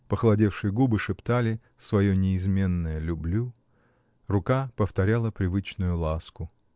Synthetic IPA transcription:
pəxlˠɐdʲe̞fʂɨjɡubɨʂɨpt̪alʲɪ | svɐjonʲɪːzmʲe̞nːəjəlʲʊblʲu | rʊkapəft̪ɐɾʲalˠəpɾʲɪvɨt͡ɕnʊjʊlˠaskʊ

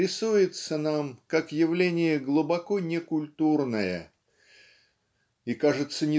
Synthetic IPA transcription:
ɪsujɪt̪sənamkakjɪvlʲenʲɪjəɡlˠʊbɐkonʲɪkʊlʲt̪urnəjə̰ | ikaʐɨt̪sːənʲɪ

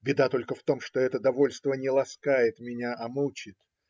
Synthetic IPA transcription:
bʲɪd̪at̪o̞lʲkəft̪o̞mʂt̪o̞ɛt̪əd̪ɐvo̞lʲst̪vənʲɪlˠɐskajɪt̪mʲɪnʲaʔɐmut͡ɕɪt̪

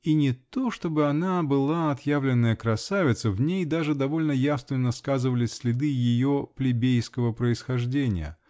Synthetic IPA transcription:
inʲɪt̪o̞ʂt̪o̞bɨɐnabɨlˠaɐt̪javlʲɪnːəjəkɾɐsavʲɪt̪səvnʲejd̪aʐɨd̪ɐvo̞lʲnəjasnɨnɐskazɨvəlʲɪsʲlʲɪd̪ɨjɪjo̞plʲɪbʲejskəvəpɾəɪsxɐʐdʲenʲɪ̰jə̰

